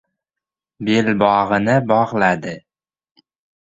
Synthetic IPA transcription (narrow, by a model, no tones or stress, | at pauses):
belbɒʁɨnɪbɒʁlad̪ɪ